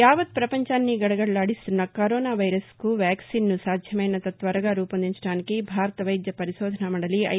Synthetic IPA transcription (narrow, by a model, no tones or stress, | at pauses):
jaːʋɐt̪̚pɾɐpɐɲt͡ʃaːnːiɡɐɽɐɡɐɽlaːɽist̪unːɐkɐɾɔːnaːʋɐjɾɐskuʋjaːksiːnːusaːd̪ʱjɐmɐjnɐt̪ɐt̪ʋɐɾɐɡaːɾuːpɐnd̪iɲt͡ʃɐɽaːnikibʱaːɾɐt̪ɐʋɐjd̪jɐpɐɾiʃɔːd̪ʱɐnɐmɐɽɐliɐ̰